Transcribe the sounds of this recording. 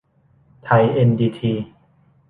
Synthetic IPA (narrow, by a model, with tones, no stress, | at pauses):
t̪ʰa˧jʔe˧ndiː˧t̪ʰiː˧